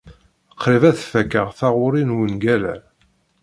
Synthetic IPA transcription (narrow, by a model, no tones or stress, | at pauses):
əqʰːɾivæθfækːəʁθaʁʊɾinwənɡælæ